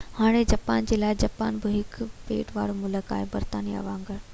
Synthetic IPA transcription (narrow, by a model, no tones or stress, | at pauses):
haːɽ̃ed͡ʑaːpaːnd͡ʑeːlaːɪd͡ʑaːpaːnbɪɦɪkpḛːʈʋa̰ːɽomʊləka̰ːɦebɐɾt̪aːniɐ̰ʋãːŋɡəɾ